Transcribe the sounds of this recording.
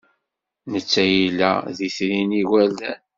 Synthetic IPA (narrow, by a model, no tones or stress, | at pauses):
nət͡sːæjilːæ̰ðiθɾiniwæld̪æ